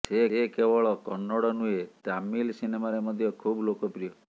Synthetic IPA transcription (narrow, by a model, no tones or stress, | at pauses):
seekebɔɭɔkɔnːɔɽɔnuet̪amːilsinemaɾemɔd̪ʱjɔkʰublokɔpɾijɔ